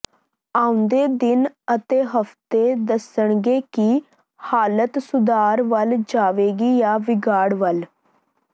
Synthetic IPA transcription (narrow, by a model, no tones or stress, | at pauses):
aːʊ̃nd̪eːd̪ɪnət̪eːɦəft̪eːd̪əsəɳɡeːki | haːlət̪sʊd̪aːɾʋəld͡ʒaːʋeːɡiːjaːʋɪɡaːɽʋəl